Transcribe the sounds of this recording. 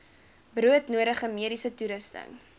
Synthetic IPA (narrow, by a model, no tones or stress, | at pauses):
bruətnuəɾəχəmiəɾisətuɾəstə̰ŋ